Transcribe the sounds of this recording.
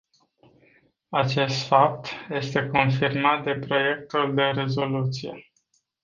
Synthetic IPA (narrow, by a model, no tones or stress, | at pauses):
at͡ʃe̞st̪fap̚t̪je̞st̪e̞ko̞nfirmat̪̚d̪e̞pɾo̞je̞k̚t̪uld̪e̞ɾe̞zo̞lut̪sije̞̰